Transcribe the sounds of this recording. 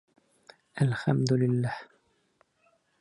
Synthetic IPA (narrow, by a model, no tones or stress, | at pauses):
ʔalxamd̪ʊlɪlːaːh